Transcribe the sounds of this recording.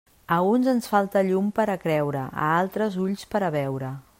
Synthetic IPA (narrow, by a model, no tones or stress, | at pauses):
əunzənsfalˠt̪əʎumpəɾəkɾɛwɾəʔə̰alˠt̪ɾəzuʎspəɾəβɛwɾə